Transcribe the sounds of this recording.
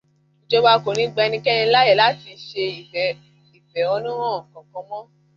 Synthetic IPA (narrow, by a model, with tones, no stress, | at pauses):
i˨d͡ʒɔ˧ba˧ko˨nĩ˧˦ɡ͡bɛ˧nĩ˧kɛ̃˦ĩ˧˦la˦ɛ˦˨la˦ti˧ʃe˧i˨ | i˨fɛ˨ɔ˧nũ˦ɾ̃ɔ̃˦˨kɔ̃˨kɔ̃˧˦mɔ̃˦